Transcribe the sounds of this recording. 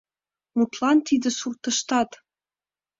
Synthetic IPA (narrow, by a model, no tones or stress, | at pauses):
mut̪lˠɑnt̪id̪ɘ̆surt̪ɤ̆ʃt̪ɑt̪